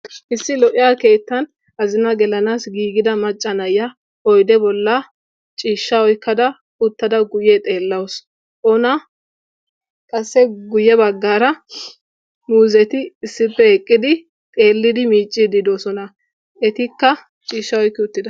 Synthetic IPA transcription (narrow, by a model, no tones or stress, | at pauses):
ʔɪsːɪlɔʔɪjake̞ːt̪ːɐn | ʔɐzɪnɐɡɛlɐnaːsɡiːɡɪd̪ɐmɐt͡ʃʼːɐnɐjːɐ | ɔjd̪ɛbɔlːɐ | t͡ʃʼiːʃːɐwɔjkːɐd̪ɐ | ʊt̪ːɐd̪ɐɡʊjɛt̪ʼe̞ːlːɐws | ʔɔnɐ | kʼɐsːɛɡʊjːɛbɐɡːaːɾɐ | muːzɛt̪ɪːsːɪpːɛɛkʼːɪd̪ɪ | t̪ʼe̞ːlːɪd̪ɪmiːt͡ʃʼːɪd̪ɪd̪oːsɔnɐ | ɛt̪ɪkːɐ | t͡ʃʼiːʃːɐwɔjkːɪʊt̪ːɪd̪ɐ